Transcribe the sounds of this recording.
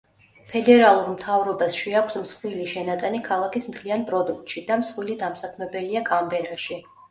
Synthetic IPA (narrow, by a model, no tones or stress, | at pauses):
pʰɛd̪ɛɾalˠuɾmt̪ʰavɾɔbasʃiakʷʰsmsχwiliʃɛnat̪ʼanikʰalˠakismt̪ʰlianpʼɾɔd̪uk̚t̪ʼʃid̪amsχwilid̪amsakʰmɛbɛliakʰambɛɾaʃi